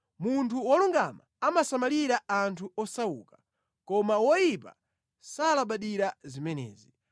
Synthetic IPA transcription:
muntʰuwɔluŋɡa̰ma | amasamaliɾaantʰuɔsawṵːkḁ | kɔmawɔjipa̰ | salaɓaɗiɾazimɛnɛ̰ːzi

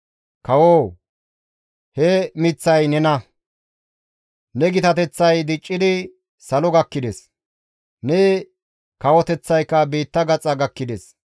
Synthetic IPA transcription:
kɐwoː | hɛmɪt͡sːɐjnɛnɐ | nɛɡɪt̪ɐt̪ɛt͡sːɐjd̪ɪt͡ʃʼːɪd̪ɪ | sɐlɔɡɐkːɪd̪ɛs | nɛ | kɐwɔt̪ɛt͡sːɐjkːɐbiːt̪ːɐɡɐt͡sʼɐɡɐkːɪd̪ɛs

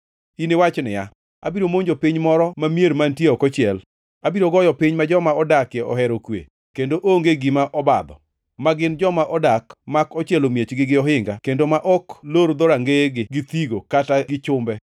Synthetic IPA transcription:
inewat͡ʃnɪ̰ja̰ | a̰biɾomoɲd͡ʒopiɲmɔɾɔmamjeɾmantjeɔkɔt͡ʃɪɛl | abiɾoɡɔjɔpɪɲmad͡ʒɔmaɔdakjɛɔ̰ɦɛɾokwḛ | kendoʔoŋɡeɡimaʔɔbad̪ɔ̰ | maɡɪnd͡ʒɔmaʔɔdakmakɔt͡ʃjɛlomjet͡ʃɡɪɡɪɔɦɪŋɡakendomaʔɔkloɾd̪ɔɾaŋɡeɡɪɡɪt̪iɡokataɡɪt͡ʃʊmbɛ

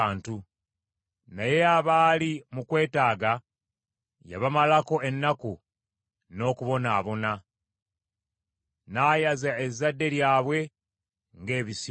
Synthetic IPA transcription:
aːntu | naje̞aβaːlimukwe̞ːtaːɡa | ja̰βamalako̞ʔe̞nːaku | no̞ːkuβo̞naβo̞na | naːjazaezadːe̞ɾjaːβwe̞ | ŋɡe̞ːβisi

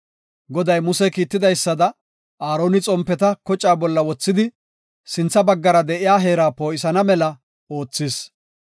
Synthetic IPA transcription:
ɡɔd̪ɐjmʊsɛkiːt̪ːɪd̪ɐjsːɐd̪ɐ | aːɾo̞ːnɪt͡sʼɔmpːɛt̪ɐkɔt͡ʃʼːaːbɔlːɐwɔt͡sːɪd̪ɪ | sɪnt͡sːɐbɐɡːɐɾɐd̪ɛʔɪjaːɦe̞ːɾaːpo̞ːʔɪsɐnɐmɛlɐ | o̞ːt͡sːɪs

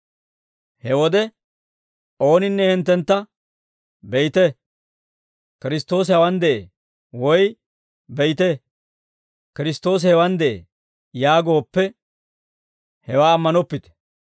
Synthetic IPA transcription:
hɛwɔd̪ɛ | o̞ːnɪnːɛhɪnt̪ːɛnt̪ːɐ | bɛjt̪ɛ | kɪɾɪst̪ːo̞ːs̬hɐwɐnd̪ɛʔe | wɔj | bɛjt̪ɛ | kɪɾɪst̪o̞ːs̬hɛwɐnd̪ʔḛ | jaːɡo̞ːpːɛ | hɛwaːɐmːɐnɔpːɪt̪ɛ̥

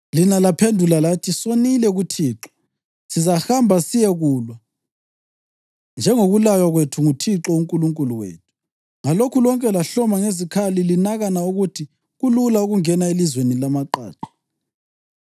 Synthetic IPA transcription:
linalapʰendʱulalatʰisonilɛɣutʰiːǁɔ̥ | sizaxambʱasijɛɣuːlwa | nd͡ʒʱɛŋoɣulajaɣwetʰuŋutʰiǁɔuŋkʼuluŋkʼuluwḛːtʰu̥ | ŋalokʰulɔŋkʼɛlaɬɔmaŋezikʰalilinaɣanauɣutʰi | ɣululauɣuŋɛnaelizwenilamaǃa̰ːǀḁ

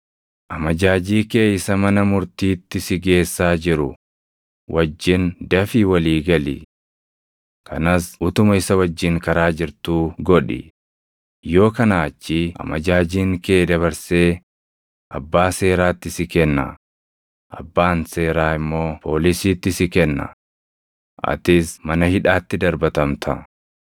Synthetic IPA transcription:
ʔɐmɐd͡ʒaːd͡ʒiːke̞ːɪsɐmɐnɐmʊɾt̪iːt̪ːɪsɪɡe̞ːsːaːd͡ʒɪɾʊ | wʔɐd͡ʒːɪnd̪ɐfiwɐliːɡɐlɪ̰ | kʰɐ̰nɐsʊt̪ʊmɐɪsɐwɐd͡ʒːɪŋkɐɾaːd͡ʒɪɾt̪uːɡɔᶑɪ̰ | jo̞ːkɐnaːt͡ʃːɪʔɐ̰mɐd͡ʒaːd͡ʒiːŋkeːd̪ɐβɐɾseː | ʔɐ̰bːaːse̞ːɾaːt̪ːɪsɪkɛnːɐ̰ | ʔɐ̰bːaːnse̞ːɾaːɪmːo̞ːpʰo̞ːlɪsiːt̪ːɪsɪkɛnːɐ̰ | ʔɐ̰t̪ɪsmɐnɐhɪᶑaːt̪ːɪd̪ɐɾbɐt̪ɐmt̪ʰɐ

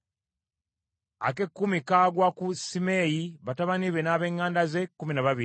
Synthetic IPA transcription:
a̰ke̞kːumikaːɡwakusime̞jiβataβaniβenaːβe̞ːŋːaːndaze̞kːuminaβaβi

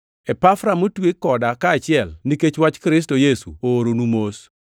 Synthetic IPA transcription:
ɛpafɾamotwekːɔdakaːt͡ʃɪɛlniket͡ʃwat͡ʃkɾɪs̬tojesṵoːɾonumos

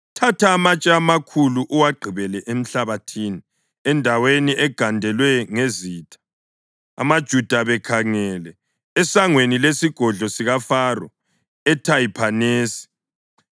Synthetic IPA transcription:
tʰatʰaːmat͡ʃʼɛamakʰuluʔuwaɡ͡ǃʱiβɛlɛʔem̩ɬaβatʰini | ɛndʱaweniʔɛɡ̥ʱandʱɛlwɛŋeziːtʰʼḁ | a̰mad̥ʒ̥ʱud̥ʱaβɛkʰaŋɛlɛː | saŋwenilesiɡ̥ʱɔɮɔsiɣafarɔ̰ | ɛtʰajipʰaneːsi̥

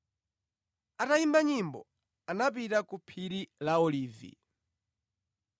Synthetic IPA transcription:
ataimbaɲimbɔ̰ | anap̬itakupʰiɾilaɔliːvḭ

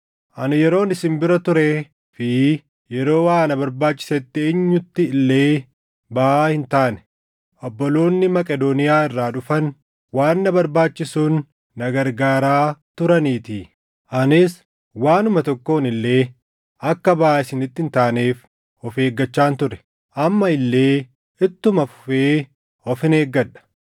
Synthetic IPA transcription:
ʔɐnɪjɛɾo̞ːnɪsɪmbɪɾɐt̪ʊɾe | fɪ | jɛɾo̞ːwaːnɐbɐɾbaːt͡ʃːɪ̥sɛt̪ːɪeːɲːʊt̪ːɪɪlːe̞ː | baaːhɪnt̪aːnɛ̥ | ʔɔbːɔlo̞ːnːɪmɐkʼɛd̪onɪjaːɪrːaːᶑʊfɐn | waːnːɐbɐɾbaːt͡ʃːɪsuːnː | ɐɡɐɾɡaːɾaːt̪ʊɾɐniːt̪ɪ | ʔɐnɪs | waːnʊmɐt̪ɔkːoːnɪlːe̞ː | ɐkːɐbɐaːɪsɪnɪt̪ːɪnt̪aːne̞ːf | ɔfe̞ːɡːɐt͡ʃːaːnt̪ʊɾɛ̥ | ʔɐmːɐɪlːe̞ː | ɪt̪ːʊmɐfʊ̥feː | ɔfɪne̞ːɡːɐᶑɐ̥

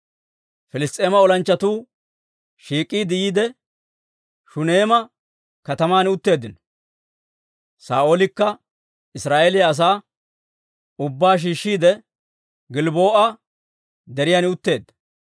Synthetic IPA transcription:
fɪlɪst̪ʼe̞ːmɐɔlɐnt͡ʃːɐt̪uː | ʃiːkʼːiːd̪ɪjiːd̪ɛ | ʃʊne̞ːmɐ | kɐt̪ɐmaːnɪʊt̪ːe̞ːd̪ːɪnɔ̥ | saːoːlɪkːɐ | ɪsɾaːʔeːlɪjɐːs̬aː | ʊbːaːʃ̬iːʃːiːd̪ɛ | ɡɪlboːʔɐ | d̪ɛɾɪjaːnɪʊt̪ːe̞ːd̪ːɐ̥

